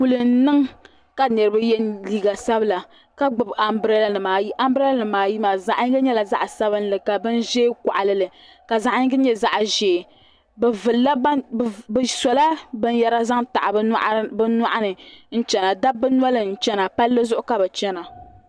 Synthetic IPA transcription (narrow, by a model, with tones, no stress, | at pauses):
ku˨lɨ˨n̩˦nɨ˦ŋ | ka˨nɨ˨ɾɨ˦ba˦jɛ˦nliː˦ɡa˨sa˦bɨ˦la˨ | ka˦ɡ͡bɨ˨ba˨mbɾɛ˦la˨nɨ˨maː˨ji˦ʔa˦mbɛ˦lnɨ˨maː˨ji˦maː˨za˨ʔɲi˦ɡɨ˦ɲɛ˦la˨za˦ʔa˨sa˦bɨ˦n˦lɨ˨ka˨bɨ˦nʒeː˦ka̰˨ʔa˨lɨ˦lɨ˨ | ka˨za˨ʔa˦ɲi˦ɡɨ˦ɲɛ˦za˦ʔʒeː˨ | bɛ˨vɨ˨lːa˦˨bsɔ˨la˦bɨ˦n˦jɛ˦ɾa˦za˦ŋta̰˨ʔbbɨ˦na˦ʔa˦nɨ˨n̩˦t͡ʃɛ˨na˨da˦bɨ˦n˦a˦lɨ˨n̩˦t͡ʃɛ˦na˨pa˦lːɨ˦zʊ˦ʔʊ˦ka˨bɛ˨t͡ʃɛ˦na˨